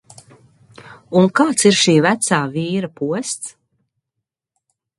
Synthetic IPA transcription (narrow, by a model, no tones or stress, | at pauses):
unkaːt̪siɾʃiːvæt̪saːviːɾapuɔst̪s